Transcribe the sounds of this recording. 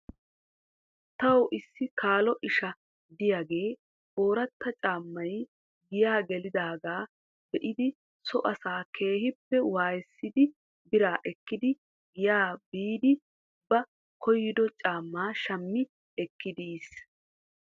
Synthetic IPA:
t̪ɐwʔɪsːɪkaːlɔʔɪʃɐ | d̪ɪjaɡe̞ː | o̞ːɾɐt̪ːɐt͡ʃʼaːmːɐj | ɡɪjaːɡɛlɪd̪aːɡaː | b̥ɛʔɪd̪ɪ | sɔʔɐsaːkʰe̞ːhɪpːɛwaːjɛsːɪd̪ɪ | bɪɾaːʔɛkːɪd̪ɪ | ɡɪjaːbiːd̪ɪ | bɐ | kʰɔjːɪd̪ɔt͡ʃʼaːmːaːʃɐmːɪ | ɛkːɪd̪iːs

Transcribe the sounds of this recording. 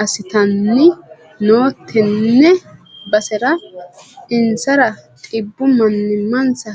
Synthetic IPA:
ɐsɪt̪ɐnːɪ | no̞ːt̪ʰːɛnːɛbɐsɛɾɐ | ɪnsɐɾɐtʼɪbːʊmɐnːɪmːɐnsɐ

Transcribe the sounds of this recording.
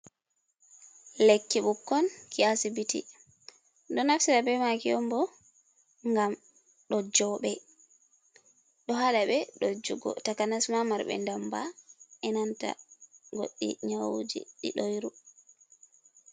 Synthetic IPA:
lekːiɓukːɔnkʰiasibitḭ | ɗɔnafsiɾabɛmakiɔmbɔ | ŋɡam | ɗɔd͡ʒɔɓɛ | ɗɔɦaɗaɓɛɗɔd͡ʒuɡɔ̰takanasmamaɾɓɛ̰ndamba̰ɛnanta̰ɡo̰ɗːḭɲawud͡ʒḭɗḭɗojɾu

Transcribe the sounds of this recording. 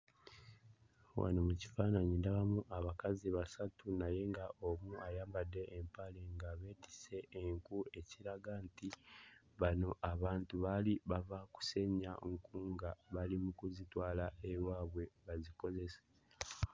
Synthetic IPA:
wa̰no̞muci̥faːnaɲindaβamuʔaβakaziβasatunaje̞ŋɡaʔomuajaːmbadːe̞ʔːmpaleŋɡaβe̞ːdise̞ʔːŋkue̞ciɾaɡanti | βano̞ʔaβaːntuβaliβavaku̥se̞ɲaŋkuːŋɡaβalimukuzitwaːlaʔewaːβwe̞βaziko̞ze̞se̥

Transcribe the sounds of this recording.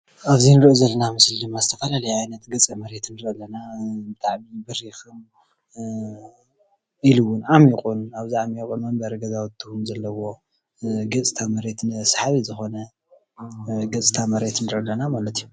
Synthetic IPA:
aβzinɨɾʔozɐlːɐnamɨsld̪ɨmːazɨt̪ʰɐfɐlalɐjajnɐt̪ɡɨt͡sʼimɐɾe̞t̪nːɨɾʔɨlːɐnabɨt̪ʰʼaʕmibɨɾixɨm | iluwʊnʔamiqʼunaβziamikʼunmɐmbɐɾɐɡɐzawt̪ʰːuhumzɐlːɐwo̞ | ɡɐt͡sʼt̪ʰamɐɾe̞t̪nsḁħaβizɨxo̞nɐ | ɡɐt͡sʼɨt̪ʰamɐɾe̞t̪nɨɾʔɨlːɐnamalɐt̪ʰiju

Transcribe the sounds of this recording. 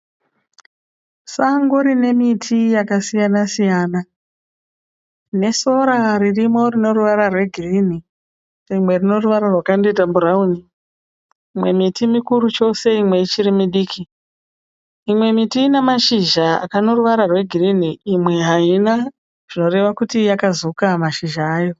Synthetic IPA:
saŋɡoɾine̞mitʰijakasijanasijaːna | ne̞so̞ɾaririmo̞rino̞ruʋaɾarwe̞ɡʱirini | rimwe̞rino̞ruʋaɾarwakanditamburauni | imwe̞mitimikuɾut͡ʃo̞se̞imwe̞it͡ʃiɾimiɗiːkʰi | imwe̞mitinemaʃiʒaa̰kano̞ruʋaɾarwe̞ɡʱiriniːmwe̞ɦaina | ʐ̥ino̞re̞ʋakutijakazukamaʃiʒaːjo̞

